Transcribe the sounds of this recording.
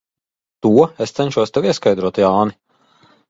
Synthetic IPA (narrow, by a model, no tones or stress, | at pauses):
t̪uɔest̪sɛnt͡ʃuɔst̪ɛwiɛskajd̪ɾuɔt̪jaːni